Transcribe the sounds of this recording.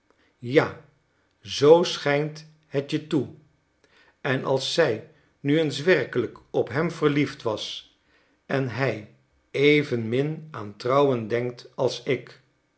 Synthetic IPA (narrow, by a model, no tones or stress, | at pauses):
jaː | zowsχɛjnt | hətjətu | ɛnɑ̰lˠsːɛj | nyənsʋɛrkələkɔpɦɛmvərliftʋɑs | ɛnɦɛj | ejvənmɪnaːntrɑwəndɛŋk̚tɑlˠsɪk